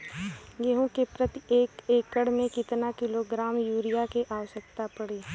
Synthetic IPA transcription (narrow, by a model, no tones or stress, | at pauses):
ɡeɦõkepɾɐt̪ieːkeːkːəɽmẽkɪt̪nakɪloɡɾaːmjuːɾijakeʔaːʋəʃək̚t̪apɐɽeː